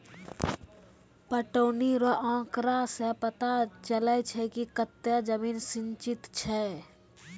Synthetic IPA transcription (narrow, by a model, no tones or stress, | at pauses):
pəʈoːniɾəʔãːkɾasepət̪at͡ʃəlɛt͡ʃʰɛkikət̪ːjəd͡ʒəmiːnsɪ̃ɲt͡ʃɪt̪t͡ʃʰɛ